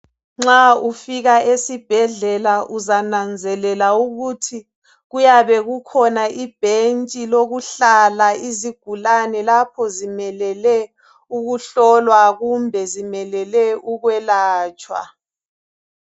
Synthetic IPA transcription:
ŋ͡ǁaufiɣaesib̥ʱɛɮɛlaʔuzanand͡zʱɛlɛlauɣutʰi | ɣujaβɛɣukʰɔnaʔib̥ʱent͡ʃʼiloɣuɬalaiziɡ̥ʱulanɛlapʰɔzimɛlɛlɛ | uɣuɬɔlwaɣumbʱɛzimɛlɛlɛuɣwɛlaːt͡ʃʼwa̰

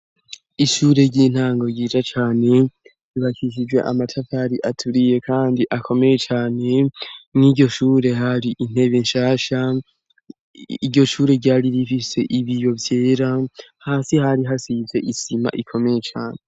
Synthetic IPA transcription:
iʃuːɾe̞ɟiːn̥haːŋɡo̞ɾɟiːd͡ʒat͡ʃaːne̞ | iβaʃiʃ̬id͡ʒwe̞̰ʔamatʰafaɾiʔatʰuɾije̞kʰaːndiʔakʰo̞me̞je̞t͡ʃaːne̞mŋiːɟo̞ʃuːɾe̞ɦaɾiʔin̥e̞βenʃaːʃa | iɟo̞ʃuːɾeɟaːɾiɾifise̞ʔiβijo̞vje̞ːɾahaːsihaɾiɦasize̞ʔisima̰ʔikʰo̞meje̞t͡ʃaːne̞

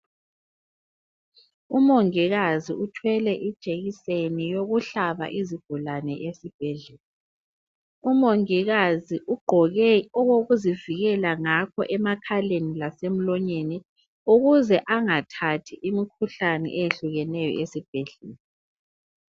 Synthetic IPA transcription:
umoŋiɣaziutʰwɛlɛʔid̥ʒ̥ʱeɣisenijoɣuɬaβa̰ʔizib̥ʱulanɛʔesib̥ʱɛɮɛːla | umoŋiɣaziʔuɡ͡ǃʱɔɣɛɔɣoɣuziviɣɛlaŋakʰɔ̰ʔɛmakʰalenilasem̩lɔɲeni | uɣuzɛʔaŋatʰatʰiʔimikʰuɬanɛ̰ʔejeɬuɣɛnɛjɔ̰ʔesib̥ʱɛɮɛːla

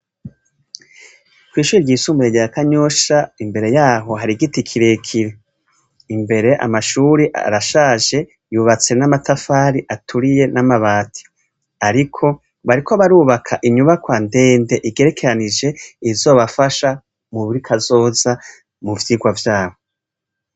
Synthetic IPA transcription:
kwiːʃuːɾiɾɟiːsuːmbiɾeɟeakaɲoʃaimbe̞ɾe̞jaːɦo̞ɦaɾiɡitikʰiɾe̞kʰiɾe | imbe̞ɾe̞ʔa̰maʃuːɾiʔa̰ɾaʃaːʒe̞ | juːβat͡senamatafaːɾiʔatʰuɾije̞namaβaːtʰi̥ | aɾikʰo̞ | βaɾikʰo̞βaɾuːβakʰaʔiɲuβakwaːnde̞ːnde̞ʔiɡe̞ɾe̞kʰe̞ɾanid͡ʒe̞izo̞ːβafaʃa | muβuɾikʰazo̞ːza | muvjiɡwavjaːho̞

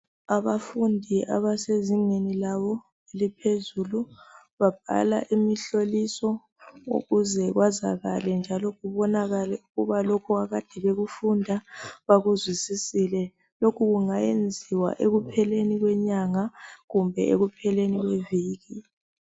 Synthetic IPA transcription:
aβafundʱiʔa̰βaseziŋenilaβɔ | elipʰezulu | βab̥̚ʱa̰la̰ʔimiɬolisɔ | ṵɣuzɛɣwaza̰ɣa̰lɛnd͡ʒʱalɔɣuβɔnaɣalɛuɣuβalokʰuaɣad̥ʱɛβeɣufundʱaβaɣuzwisisilɛ | lokʰuɣuŋajend͡zʱiwa̰ʔeɣupʰɛleniɣwɛɲaŋaɣumbʱɛ̰ʔeɣupʰɛleniɣweviːɣi

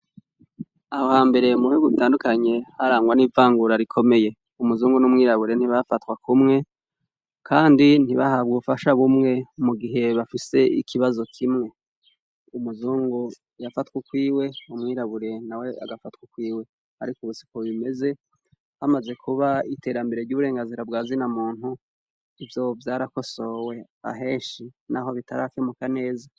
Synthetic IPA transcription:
ahohaːmbe̞ɾe̞muhuɡutaːndukaɲe̞haɾaːŋɡwanivaːŋɡuɾaɾikʰo̞me̞je̞ | umuzuːŋɡunumŋiːɾaβuɾe̞n̥iβafatkwakumŋe̞ | kʰaːndin̥iβahaβɡufaʃaβumŋe̞muɡiɦe̞βafise̞ḭkʰiβazo̞kʰimŋe̞ | umuzuːŋɡo | jafatwukwiːwe̞umŋiːɾaβuɾe̞nawe̞ʔa̰ɡafatwukwiːwe̞ | haɾikuβusi̥koβime̞ze̞ | hamaze̞kʰuβaite̞ːɾambe̞ɾeɾɟuːβuɾe̞ːŋɡanziɾabɡaːzinamuːn̥hu | ivjo̞vjaːɾako̞so̞we̞ | a̰ɦe̞ːʃinaɦo̞βitaɾakjemukane̞ːza

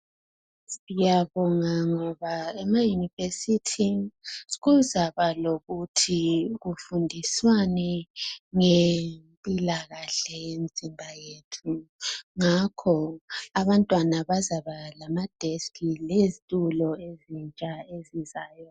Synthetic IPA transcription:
ijaβɔŋaŋɔβaɛmajunivesitʰi | ɣuzaβaloɣutʰiɣufundʱiswanɛŋempʼilaɣaɬɛjend͡zʱimbʱajetʰuŋakʰɔaβantʼwanaβazaβalamad̥ʱeskʰʼilezitʼulɔezint͡ʃʼaezizaːjɔ

